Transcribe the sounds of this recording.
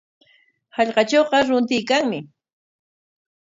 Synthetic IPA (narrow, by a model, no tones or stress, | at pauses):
hɑʎqɑt͡ʃowqɑɾʊnt̪ɪjkaŋmɪ